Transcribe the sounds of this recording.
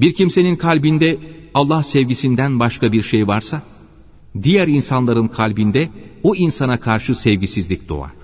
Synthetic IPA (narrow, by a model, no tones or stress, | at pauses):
biɾcʰimse̞ninkʰalʲbind̪ɛalˠːahsɛvɟisind̪ænbaʃkʰabiɾʃejvaɾsa | d̪ijæɾinsanlˠaɾɯnkʰalʲbind̪ɛoinsanakʰaɾʃɯsɛvɟisizlʲic̚d̪̥o̰a̰